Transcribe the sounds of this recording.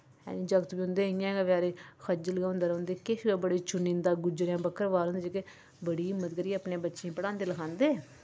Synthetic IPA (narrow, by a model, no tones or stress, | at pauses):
ɛ̰̃ːnĩːd͡ʒəɡt̪biːɦʊ̃nd̪eːɦɪãːɡaʋaːɾeːxʰəd͡ʒələɡaːʊ̃nd̪aːɾnd̪eːkeʃɡabəɽiːt͡ʃʊnĩːnd̪aːɡʊd͡ʒəɾjãːbəkʰːəɾʋaːɾɦʊnd̪ed͡ʒeke | bəɽiːɪmːət̪kəɾiəpnẽːbətːʃẽːpəɽãːnd̪eːləkʰãːnd̪eː